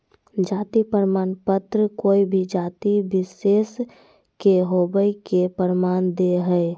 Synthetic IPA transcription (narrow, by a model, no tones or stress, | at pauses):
d͡ʒaːt̪ipəɾmaːnpət̪ɾəkoːibʱid͡ʒaːt̪ibɪseːs | keɦobəikepəɾmaːnd̪eɦəe